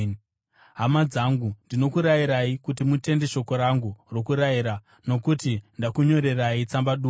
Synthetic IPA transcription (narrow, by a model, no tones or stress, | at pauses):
ɦamad͡zaŋɡundino̞kuɾaiɾaikut̬imute̞nde̞ʃo̞ko̞ɾaŋɡuro̞kuɾaiɾa | no̞kutindakuɲo̞ɾe̞rait͡sambaɗuː